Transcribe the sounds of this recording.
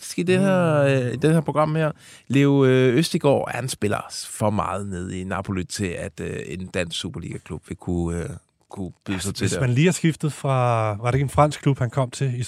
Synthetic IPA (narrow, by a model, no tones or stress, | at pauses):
sɡ̥id̥eheɐid̥enheɐpʰo̝ɡ̥ʁɑ̈m̰heɐ̰ | leʊøøsd̥iɡ̥ɒ̰ːænsb̥e̝lɐ̰sfɒ̽mɑ̈ːð̞̩ˠne̝ð̞ˠinɑ̈pʰo̝lid̥t͡sʰe̝læd̥øend̥æn̰sɡ̥sṵːb̥ɐlḭːɡ̥ækʰlub̥ʋe̝kʰu | kʰub̥yðˠsɑ̈t͡sʰedmænliːæsɡ̥ifd̥ð̩ˠfʁɑ̈ʋɑɾ̥e̝ɡ̥əenfʁɑ̈n̰s̚ʰlub̥hænkʰɒ̽m̰t͡sʰe̝i